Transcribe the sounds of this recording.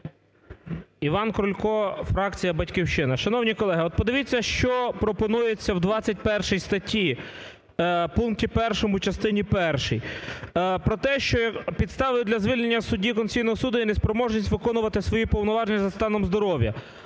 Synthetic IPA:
iʋɑnkɾʊlʲkɔfɾɑkt͡sʲijɐbɐtʲkiwʃt͡ʃɪnɐʃɐnɔwnʲikɔlˠɛɦɪɔt̪̚pɔd̪ɪʋʲit͡sʲːɐʃt͡ʃɔpɾɔpɔnujet͡sʲːɐwd̪ʋɑt͡sʲːɐt̚ʲpɛrʃɛjst̪ɐtʲi | punk̚tʲipɛrʃɔmʊt͡ʃɐst̪ɪnʲipɛrʃɛj | pɾɔt̪ɛʃt͡ʃɔpʲid̪st̪ɑʋɪjʊd̪lʲɐzʋilʲnenʲːɐsʊdʲikɔnsʲijnɔɦɔsud̪ʊinespɾɔmɔʒnʲisʲtʲʋɪkɔnʊʋɐt̪ɪsʋɔjipɔwnɔʋɑʒenʲːɐzɐst̪ɑnɔmzd̪ɔɾɔʋʲjɐ̰

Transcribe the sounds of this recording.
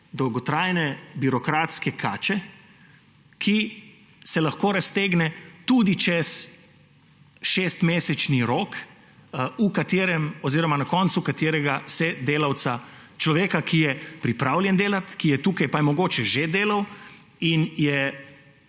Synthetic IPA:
d̪ɔwɡɔt̪ɾaːjnɛbiɾɔkɾaːt̪skɛkʰaːt͡ʃɛ | kʰi | sɛlaxkoːɾast̪eːɡnɛt̪ud̪it͡ʃɛs | ʃeːst̪meːsɛt͡ʃniɾoːk | ukat̪eːɾɛmɔziːɾɔmanakɔnt̪sukat̪eːɾɛɡasɛd̪eːlawt̪sat͡ʃlɔʋeːkakʰijɛpɾipɾaːwljɛnd̪eːlat̪kijɛt̪uːkajpajmɔɡoːt͡ʃɛʒed̪eːlaw | injɛ

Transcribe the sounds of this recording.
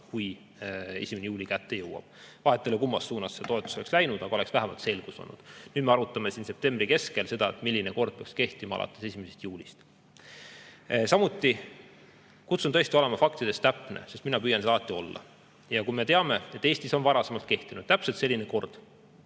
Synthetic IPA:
kuj | e̞̰sʲimenejuːlʲikæt̪ːe̞jɤwɑ̰b̥vɑɦe̞t̪ːˑelekumːɑsːuːnɑsːet̪o̞e̞t̪ːˑu̥so̞lekslæjnud̪̥ɑɡ̥ɑoleksvæɦemɑ̰lt̪se̞lɡ̥uso̰nːṵd̪̥nyːd̪me̞ɑɾut̪ːˑɑme̞siːnse̞p̚t̪e̞mbrike̞ske̞lse̞d̪ɑet̪milːineko̞rd̪̚peɑkske̞ht̪imɑɑ̰lʔɑ̰t̪ːˑe̞se̞sʲimesest̪juːlʲist̪ | sɑmut̪ˑːi | kut̪sunt̪ɤ̞e̞st̪iole̞mɑfɑkt̪id̪̥e̞st̪æpːˑnḛse̞st̪minɑpyːjɑnseɑlɑt̪ːio̞lːɑ̰ | jɑkujme̞t̪eɑme̞et̪ːˑe̞ːst̪iso̞nvɑɾɑse̞mɑlt̪̚ke̞ht̪inud̪̥̚t̪æpset̪se̞lʲːineko̞rd̪̥

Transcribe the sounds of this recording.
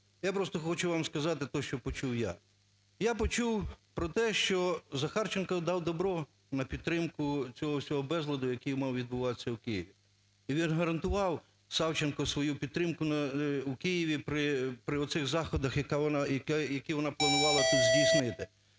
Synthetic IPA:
japɾɔst̪ɔxɔt͡ʃʊʋamskɐzɑt̪ɪt̪ɔʃt͡ʃɔpɔt͡ʃuwja | japɔt͡ʃuwpɾɔt̪ɛʃt͡ʃɔzɐxɑrt͡ʃenkɐd̪ɑwd̪ɔbɾɔ | nɐpʲid̪̚t̪ːɾɪmkʊt͡sʲɔɦɔsʲɔɦɔbɛzlˠɐd̪ʊjɐkʲijmɑwʋʲid̪̚bʊʋɑt̪ɪ̥sʲːɐwkɪjɪʋʲi | iʋʲinɦɐɾɐnt̪ʊʋɑw | sɑwt͡ʃenkɔsʋɔjupʲid̪t̪ːɾɪmkʊnɐwukɪjɪʋʲipɾɪpɾɪɔt̪sɪɣzɑxɔd̪ɐxjɐkaɔnjɐkjɐkʲiʋɔnɑplˠɐnʊʋɑlˠɐt̪uzʲdʲijsnɪt̪ɪ

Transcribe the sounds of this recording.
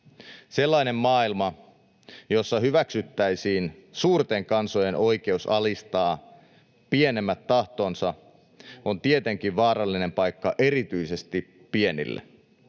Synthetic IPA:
selːɑjne̞mːɑːilmɑ | jo̞sːɑɦyʋæksyt̪ːæisiːnsuːrt̪eŋkɑnso̞jeno̞jke̞usɑlist̪ɑː | pienemːæt̪ːɑht̪o̞ːnsɑ | ont̪ie̞t̪e̞ŋk̟iʋʋɑːɾɑlːine̞mpɑjkːɑʔe̞ɾit̪yise̞st̪i | pie̞nḭlːḛ

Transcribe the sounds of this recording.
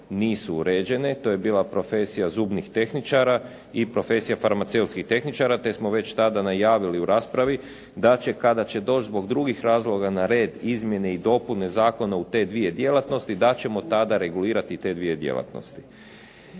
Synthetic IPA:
niːsuuɾe̞ːd͡ʑe̞ne̞t̪o̞jebiːlapɾo̞fe̞sijazuːbnixt̪e̞xnit͡ʃaɾa | ipɾo̞fe̞sijafaɾmat̪se̞ut̪skixt̪e̞xnit͡ʃaɾat̪e̞smo̞ʋe̞t͡ɕt̪ad̪anajaːʋiliuɾaːspɾaʋi | d̪at͡ɕe̞kad̪at͡ɕe̞d̪o̞ːt͡ʃd̪zbo̞ɡd̪ɾuɡixɾaːzlˠo̞ɡanaɾe̞ːd̪izmje̞ne̞id̪o̞pune̞zaːko̞naut̪e̞d̪ʋije̞d̪je̞lˠat̪no̞st̪id̪at͡ɕe̞mo̞t̪ad̪aɾe̞ɡuliːɾat̪it̪e̞d̪ʋie̞d̪jḛlˠa̰t̪no̰st̪i̥

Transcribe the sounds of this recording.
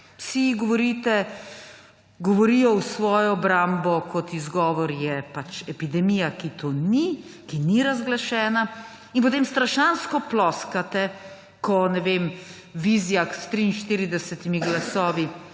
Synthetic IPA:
siɡɔʋɔɾiːt̪ɛ | ɡɔʋɔɾijɔwsʋɔːjɔːbɾambɔkʰɔt̪izɡɔːʋɔɾjɛpat͡ʃɛpid̪ɛmijakit̪ʰoːnikiniɾazɡlaʃɛːna | inpot̪eːmst̪ɾaʃanskɔplɔːskat̪ɛ | kɔnɛʋeːm | ʋizjaxst̪ɾiːnʃt̪iːɾid̪ɛsɛt̪imiɡlasɔːʋi

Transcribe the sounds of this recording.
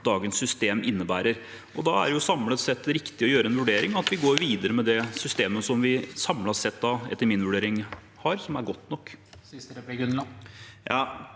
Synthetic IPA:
d̪ɑːɡənsːʏst̪eːmʔɪnːəbæːɾəɾ | ɔd̪ɑæ̰ɾjʊsɑmlət̪sɛt̪ːɾɪkt̪ɪɔjøːɾəɛnʋʉɖeːɾɪŋɑt̪ʋɪɡoːɾʋiːd̪əɾəmɛd̪ɛsʏst̪eːməsɔmʋɪsɑmlɑsɛt̪ːd̪ɑɛ̰t̪ːəɾmɪnʋʉɖeːɾɪŋ | hɑɾsɔmæɾɡɔt̪ːnɔkː | nljɑ

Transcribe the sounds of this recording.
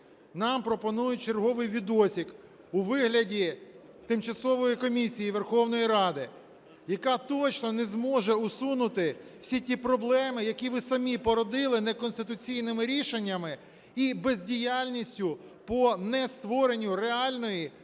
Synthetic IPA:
nɑmpɾɔpɔnujʊt͡ʃerɦɔʋɪjʋʲid̪ɔsʲik | uʋɪɦlʲɐdʲi | t̪ɪmt͡ʃɐsɔʋɔjikɔmʲisʲijiʋerxɔwn̪ɔjiɾɑd̪ɪ | jɐkɑt̪ɔt͡ʃnɔnɛzmɔʒɛʊsunʊt̪ɪw̥sʲitʲipɾɔblˠɛmɪjɐkʲiʋɪsɐmʲipɔɾɔd̪ɪlˠɪnɛkɔnst̪ɪt̪ʊt͡sʲijnɪmɪɾʲiʃenʲːɐmɪ | ibezʲdʲijalʲnʲisʲtʲʊ | pɔnɛst̪ʋɔɾe̞nʲːʊɾeɑlʲnɔji

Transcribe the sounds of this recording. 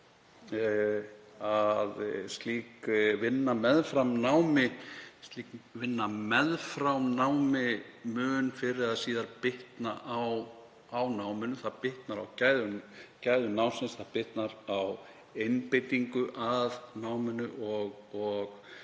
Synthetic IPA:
aðst̪liːkvɪnːamɛðfɾamnawmɪst̪liːkvɪnːamɛðfɾawmnaːwmɪmʏːnfɪɾɪɾaðsiːðaɾpɪht̪naʔaw | awnaːwmɪnʏθaðpɪht̪naɾawcaːjðʏcaːjðʏnawnsɛnsθaðpɪht̪naɾaw | ejnpejt̪iŋkʏʔaðnaːwmɪnʏʔɔɣɔɣ

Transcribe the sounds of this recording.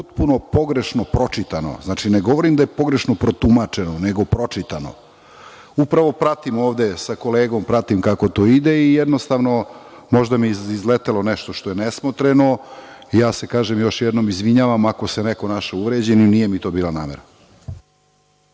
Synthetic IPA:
pot̪̚puno̞poɡɾe̞ʃno̞pɾo̞t͡ʂit̪ano̞̰znaːt͡ʃineɡo̞ʋo̞ɾimd̪ajepo̞ɡɾe̞ʃno̞pɾo̞t̪umat͡ʂenoneɡo̞pɾo̞t͡ʂit̪ano̰ | upɾaʋo̞pɾat̪imo̞ːʋd̪esako̞leːɡo̞mpɾat̪imkako̞t̪o̞ːid̪e̞ijɛd̪no̞st̪aːʋno̞ | mo̞ʒd̪amiizlet̪elo̞neʃt̪oʃt̪o̞jenesmot̪ɾeno̞ | ijaːse̞kaːʒemjo̞ʃjɛd̪no̞mizʋiɲaːʋamako̞seneko̞naʃeuʋɾed͡ʑeninijemit̪o̞ːbiːlˠanaːmeɾa

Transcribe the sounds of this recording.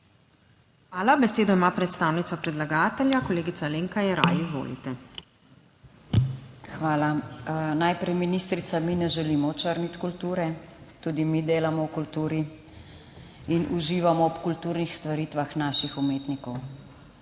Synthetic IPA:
xʋaːlabɛseːd̪ɔimaːpɾɛt̪st̪aːwnit̪sɔpɾɛd̪laɡaːt̪ɛljakɔleːɡit̪saleːŋkajɛɾa̰ːjizʋo̰ːlḭt̪ɛ | xʋaːlanajpɾɛjminist̪ɾit̪saminɛʒɛlimɔt͡ʃəɾnit̪kult̪uːɾɛt̪uːd̪imid̪eːlamɔwkult̪uːɾi | inʔuʒiːʋamɔɔpkult̪uːɾnixst̪ʋaɾiːt̪ʋaxnaːʃixumeːt̪nikɔw

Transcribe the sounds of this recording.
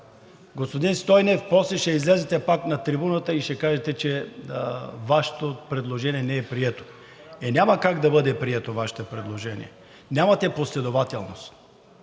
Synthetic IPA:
ɡospod̪inst̪ɔjnɛfpɔslɛʃɛizlɛzɛt̪ɛpaknɐt̪ɾibunət̪əiʃɛkaʒɛt̪ɛt͡ʃɛ | vaʃɛ̥t̪opɾɛd̪lˠoʒɛniɛnɛɛpɾiɛt̪o̥ | ɛnʲamɐkaɡd̪ɐbɤd̪ɛpɾiɛt̪ovaʃɛ̥t̪əpɾɛd̪lˠoʒɛnḭɛ̰ | nʲjamɐt̪ɛposlɛd̪ovat̪ɛlˠnost̪

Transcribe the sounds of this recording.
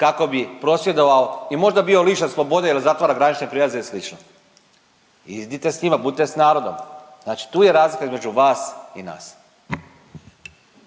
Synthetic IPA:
kako̞bipɾo̞sʋjed̪o̞ʋaoimo̞ʒd̪abio̞liʃeslˠo̞bo̞d̪ailizat̪ʋaːɾaɡɾanit͡ʃnepɾilazeslit͡ʃno | izd̪it̪e̞sɲimabud̪it̪esnaːɾo̞d̪o̞mznaːt͡ʃi̥t̪uːje̞ɾaːzlikaizme̞d͡ʒuʋaːsina̰ːs

